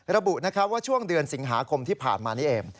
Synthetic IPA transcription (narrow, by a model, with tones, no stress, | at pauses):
ɾa˧bu˨˩na˦˥kʰa˦˥waː˥˩t͡ɕʰu˥˩əŋdɯ˧ənsi˩˦ŋɦaː˩˦kʰo˧mt̪ʰiː˥˩pʰa̰ː˨˩nmaː˧ni˦˥ʔeː˧m